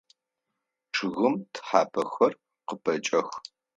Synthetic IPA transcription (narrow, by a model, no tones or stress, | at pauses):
ʈ͡ʂʰɨɣɨmtʰħaːpʰɐxɐr | qəpʰɐt͡ʃʼɐx